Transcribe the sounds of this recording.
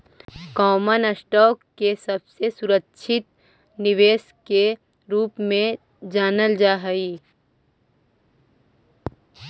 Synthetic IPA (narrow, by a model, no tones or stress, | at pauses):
kɔːmənəsʈɔːkːesɐbsesʊɾəkʃʰɪt̪̚ | nɪʋeːs | ke | ɾuːpmẽ | d͡ʒaːnəld͡ʒaːɦəiː